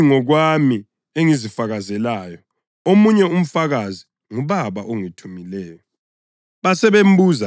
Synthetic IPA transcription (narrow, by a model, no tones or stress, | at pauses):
ŋɔɣwami | eŋizifaɣazɛlaːjɔ | omuɲɛum̩faɣazi | ŋuβaβaʔoŋitʰumilɛːjɔ | βasɛβem̩buːza